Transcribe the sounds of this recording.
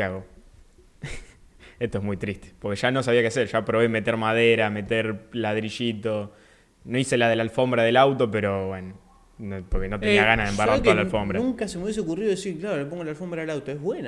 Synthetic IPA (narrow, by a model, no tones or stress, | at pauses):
kaɣo | eht̪oeɦmujt̪ɾist̪e̥po̞ɾkeʃano̞saβiakeaseɾʃapɾo̞βeme̞t̪eɾmaðeɾame̞t̪eɾlaðɾiʃit̪o̞ | no̞ise̞laðe̞lalfo̞mbɾaðelawt̪o̞p̬e̞ɾo̞βweno | nopoɾkeno̞t̪eiaɣanaðembaɾraɾt̪oalafo̞mbɾauŋkasemoβjes̬eokuriðoesiɾklaɾolepoŋɡolalfo̞mbɾaðelawt̪oeɦβwena